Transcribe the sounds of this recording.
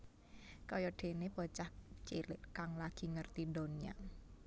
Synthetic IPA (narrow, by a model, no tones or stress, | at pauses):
kɔjɔɖ̥e̤neb̥ɔ̤t͡ʃaht͡ʃelɪ̰ʔkaŋlaɡ̥i̤ŋərt̪ido̤nia̰